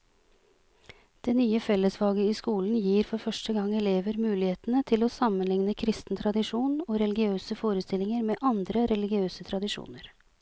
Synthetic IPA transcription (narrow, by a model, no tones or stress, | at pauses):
d̪̥eːnyːəfɛlːəsʋɑːɡəɪskuːln̩jiːɾfɔɾfœʂʈəɡɑŋːɛleːʋəɾmʉːlɪheːt̪nət̪ʰɪloːsɑmənlɪŋnəkʰɾɪst̪n̩t̪ʰɾɑd̪ɪʂuːnoːɾɛlɪɡɪøːsəfoːɾəst̪ɪlɪŋəɾmeːʔɑnd̪ɾəɾɛlɪɡɪøːsət̪ʰɾɑd̪ɪʂṵːnəɾ